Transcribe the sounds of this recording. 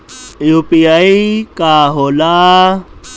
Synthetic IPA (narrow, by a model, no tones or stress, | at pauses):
juːpiaikaːɦoːla